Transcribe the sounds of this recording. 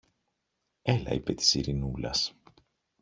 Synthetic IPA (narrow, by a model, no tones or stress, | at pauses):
elɐ̰ipe̞t̪i̥siɾinulɐ̰s